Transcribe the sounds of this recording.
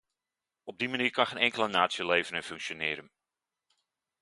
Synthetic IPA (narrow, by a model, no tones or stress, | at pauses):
ɔb̚dimaniːɹkɑnχeːnɛŋkələnaːtsjəlejvənəfɵŋkʃonɪːɾən